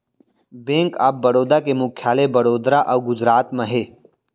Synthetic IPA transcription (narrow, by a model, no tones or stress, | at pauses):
bẽːŋka̰ːbːɐɾoːd̪akemʊkʰjaːlebɐɾoːd̪ɾaʔɐɡʊd͡ʒɾaːt̪məɦeː